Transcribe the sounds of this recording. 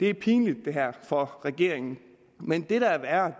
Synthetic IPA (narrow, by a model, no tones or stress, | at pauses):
d̥e̝æɐpʰiːnlid̥ːe̝ɦæɐ̰fɒ̽ʁɛɡ̥e̝ɐ̰eŋn̩ | mend̥e̝ɾ̥ɑʋæɐɐ